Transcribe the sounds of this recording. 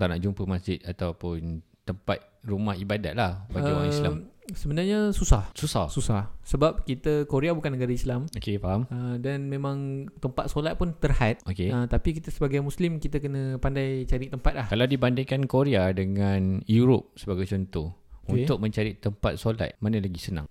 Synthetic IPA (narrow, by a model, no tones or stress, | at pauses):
t̪ana̰ʔd͡ʒumpəmasd͡ʒɪt̪̚at̪awpʊn | t̪əmpat̪̚rumahibada̰t̪̚lahbaəaisamsəbənarɲasusahsusasusahsəbap̚kit̪əkoɾeabukanəɡaɾaislamokepaɦamədanmẽmãŋt̪əmpat̪̚solat̪̚pʊnt̪ərhat̪̚ʔokeət̪apik̬it̪əsəbaɡajmuslimkit̪əkənəpandajt͡ʃaɾit̪əmpat̪̚lahkalawdibandɪŋkankoɾeadəŋanjuɾop̚səbaɡajt͡ʃɔnt̪ɔhunʊk̚mə̃ɲt͡ʃaɾit̪əmpa̰t̪̚sola̰t̪̚manə̃laɡisəna̰ŋ